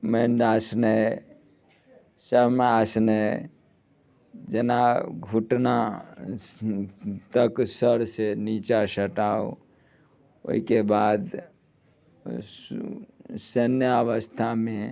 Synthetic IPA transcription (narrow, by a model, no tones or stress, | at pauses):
menɖaːsnə | səmaːsnə | d͡ʒənaɡʱuʈna | t̪əksəɾsenit͡ʃasəʈaːo | o̰ikebaːd̪ | sənjəəʋəst̪ʰamẽ